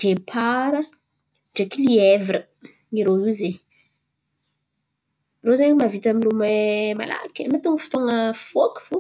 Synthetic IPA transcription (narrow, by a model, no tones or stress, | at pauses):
ɡ̥epʰaɾə | ɖ͡ʐekilievɾə | iɾoize | rozaɲmavit̪amilumema̰la̰kʲnat̪uŋfi̥t̪oŋəfoki̥v̥o